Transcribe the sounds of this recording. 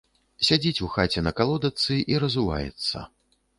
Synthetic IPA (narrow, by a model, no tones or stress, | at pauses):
sʲad͡zʲit͡sʲuxat͡sʲɛnɐkalˠɔd̪ɐt̪sɨʔiɾɐzuva̰jɛ̰t̪sːɐ̰